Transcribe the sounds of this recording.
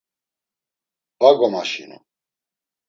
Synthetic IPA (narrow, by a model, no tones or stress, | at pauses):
baɡɔmaʃinṵ